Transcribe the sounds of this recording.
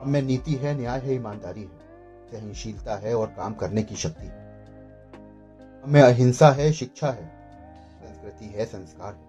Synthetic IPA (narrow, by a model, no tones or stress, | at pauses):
ɦɐmːẽniːt̪iɦɛnɪjaːjɦɛiːmaːnd̪aːɾiɦɛ̃ | sɐɦə̃nʃiːlt̪aɦɛɔːɾkaːmkɐɾnekiʃɐk̚t̪iɦɛ | ɦɐmẽɐɦɪ̃nsaɦɛʃɪkʃʰaɦɛː | sɐ̃nskɾɪt̪iɦɛsɐ̃nskaːɾɦɛ